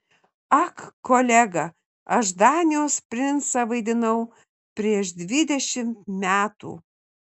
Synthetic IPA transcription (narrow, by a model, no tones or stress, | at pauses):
ɐkːoːlʲæɡɐ | ɐʃd̪ɑːnʲijoːspʲɾʲɪnsɐʋɐɪd̪ʲɪnɐʊ | pʲɾʲiɛʃd̪ʲʋʲɪd̪ʲɛʃʲɪmt̪mʲæːt̪ṵː